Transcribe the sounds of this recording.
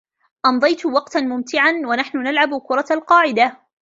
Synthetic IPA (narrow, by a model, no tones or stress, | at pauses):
ʔɑmd̪ˤɑjt̪wɑqt̪anmʊmt̪ɪʕanwanaħnʊnalʕabkʊɾˤɑalqɑːʕɪd̪a